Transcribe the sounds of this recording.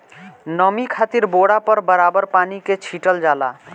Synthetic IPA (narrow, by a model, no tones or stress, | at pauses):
nəmikʰat̪iɾboɽapəɾbəɾabəɾpaniket͡ʃʰiʈəld͡ʒala̰